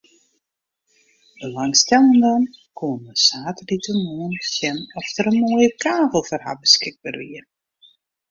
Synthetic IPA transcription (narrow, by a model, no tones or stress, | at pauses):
bəlaŋstɛlˠəndɔnkʰoənəsaːtəditəmoənsjɛnɔxtəɾənmoːjəkʰaːvəlˠfərha̰bəskɪɡ̚baːrʋiər